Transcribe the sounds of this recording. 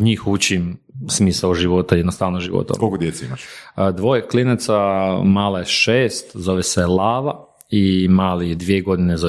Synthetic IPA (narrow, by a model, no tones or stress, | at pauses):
ɲiːxut͡ɕim | smiːsaoʒiʋot̪ajɛd̪nost̪aʋnoʒiʋo̰t̪a̰kokod̪jet̪seimat͡ʃd̪ʋo̞jeklinat̪samaːlajeʃeːst̪zo̞ʋeselˠaːʋa | imaːlid̪ʋieɡo̞d̪inezo